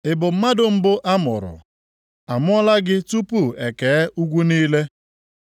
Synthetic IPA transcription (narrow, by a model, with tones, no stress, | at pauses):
ɪ˨bʊ˨m̩˦ma˦dʊ˨m̩˦bʊ˦ʔa˦mʊ̰˨ɾʊ̰˨ | a˨mʊ˦ɔ˦la˦ɡɪ˦tu˦pu˦˨e˨keː˨˦u˦ɡʷu˦niː˦le˦